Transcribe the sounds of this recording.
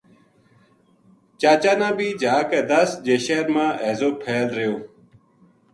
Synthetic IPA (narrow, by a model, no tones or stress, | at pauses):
t͡ɕaːt͡ɕaːnãːbiːd͡ʑʱaːked̪ɐsd͡ʑeːɕeːɾmãːʔeːzoːpʰeːlɾejoː